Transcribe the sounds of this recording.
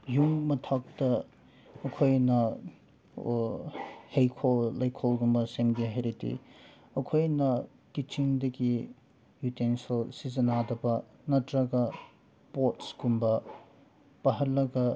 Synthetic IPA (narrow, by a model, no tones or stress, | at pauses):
juŋmɐtʰak̚tɐ | ɐkʰojnɐ | hejkʰollɐjkʰolɡumbɐsemɡiɦejɾitḭ | ɐkʰojnɐ | kit͡ʃiŋdɐɡi | jutensɐlsizɐnadɐbɐ | nɐtɾɐɡɐ | potsɡumbɐ | pɐɦɐɾlːɐɡɐ